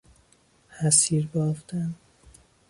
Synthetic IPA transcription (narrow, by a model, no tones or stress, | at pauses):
hæsiːɾbɒːft̪æn